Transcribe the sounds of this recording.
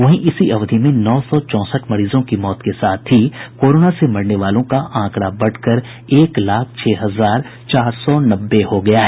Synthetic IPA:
ʋɐɦĩʔɪsiʔɐʋd̪ʱimẽnɔːsɔt͡ʃɔ̃ːsəʈʰmɐɾiːzõkimɔːt̪kesaːt̪ʰːikoːɾoːnasemɐɽneʋaːlõkaʔãːkɽabɐɽkəɾ | eːklaːkʰt͡ʃʰɛːɦɐzaːɾ | t͡ʃaːɾsɔnɐbːehoɡɐjaɦɛː

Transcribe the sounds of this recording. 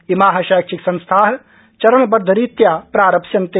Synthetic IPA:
imaːɦɐʃaːkʃiksɐ̃nst̪ʰaːɦ | t͡ʃɐɾəɳbɐɾd̪ʱəɾit̪jaːpɾaːɾɐpʃɐnt̪e

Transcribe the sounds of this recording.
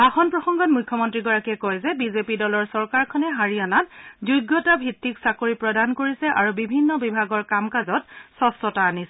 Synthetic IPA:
axɔnpɹɔxɔŋɡɔt̚mujkʰːɔmɔntɹiɡɔɹakɛkojzɛbizepidɔlɔɹsɔɹkaɹkʰɔnɛɦaɹianatzujɡːɔtabʱitːiksakoɹipɹɔdankoɹisɛʔaɹubibʱinːɔbibʱaɡɔɹkamkazɔtsɔstɔtaːnisɛ

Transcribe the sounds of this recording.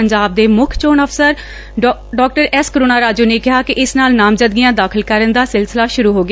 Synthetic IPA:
əɲd͡ʒaːb̚d̪eːmʊkʰt͡ʃoːnəpʰsəɾ | ɖɔːk̚ʈəɾɛskəɾoːnaːɾaːd͡ʒuːneːkɪɦaːkɪʔɪsnaːlnaːmd͡ʒəd̪̚ɡɪjãːd̪aːkʰəlkəɾənd̪aːsɪlsɪlaːʃʊɾuːɦoːɡɪa

